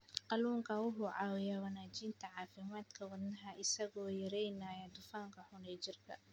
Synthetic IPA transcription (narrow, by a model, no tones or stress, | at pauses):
qɑluːŋkʰɐwʊħʊːʕɑːwɪjawɐnaːt͡ʃiːnt̪ʰɐʕɑːfɪmaːd̪kʰɐwɐd̪nɐɦɐʔɪsɐɣɔːjɐɾɛjnaːjɐd̪ʊfaːŋkʰɐħʊnɛjt͡ʃɪrkʰɐ̰